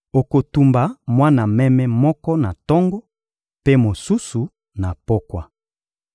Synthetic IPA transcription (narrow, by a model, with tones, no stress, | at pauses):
o˨ko˨tu˨mba˨mwa˦na˨mɛ˦mɛ˦mɔ˦kɔ˦na˨tɔ˦ŋɡɔ˦ | pe˦mo˨su˦su˨ | na˨po˦kwa˦